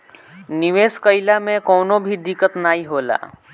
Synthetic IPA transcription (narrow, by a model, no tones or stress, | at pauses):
nɪʋeːskəɪlamẽkɔːnõbʱid̪ɪkət̪naːiɦoːla̰ː